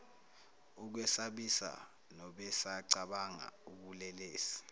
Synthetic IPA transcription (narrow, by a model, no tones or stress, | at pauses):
uk̬wɛsaɓisa̰ | nɔɓɛsaǀaɓaŋa̰uɓulɛleːsi̥